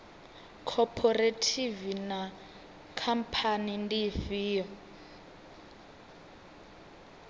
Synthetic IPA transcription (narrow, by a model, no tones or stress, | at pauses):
kʰɔpʰɔretʰivina | kʰampʰanindifiːɔ